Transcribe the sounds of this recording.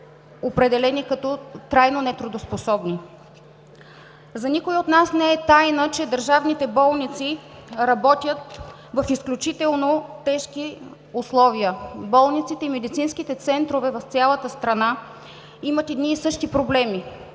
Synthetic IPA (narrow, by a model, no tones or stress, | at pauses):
opɾɛd̪ɛlɛnikɐt̪ɔt̪ɾajnonɛt̪ɾʊd̪osposɔbni | zɐnikʊjiot̪nasnɛɛt̪ajnət͡ʃɛd̪əɾʒavnit̪ɛbɔlˠnit̪siɾɐbɔt̪ʲjət̪̚ | vɐfisklʲut͡ʃit̪ɛlˠnot̪ɛʃki | ʊslˠɔviəbɔlˠnit̪sit̪ɛimɛd̪it̪sinskit̪ɛt̪sɛnt̪ɾovɛvɐft̪sʲjalˠət̪əst̪ɾɐna | imət̪ɛd̪niːsɤʃt̪ipɾoblɛmi